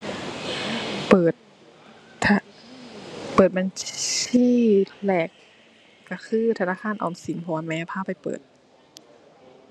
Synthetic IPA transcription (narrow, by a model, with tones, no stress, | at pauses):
pɤː˨˩t̪ | a˧ | pɤː˨˩t̪̚ba˨niː˧˥˩lɛː˨˩k̚ː | a˧˩kʰɯː˧˥˨t̪ʰa˧naː˧˥˨kʰaː˧˥˨nʔɔ̰ː˨˩msi˨˦npʰɔː˧˦a˧˦nmɛː˧˥pʰaː˧˥˨pa˨jpɤ̰ː˨˩t̪̚